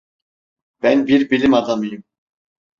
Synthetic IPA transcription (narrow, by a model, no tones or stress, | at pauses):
b̥ænbiɾbilʲimad̪amɯjɯm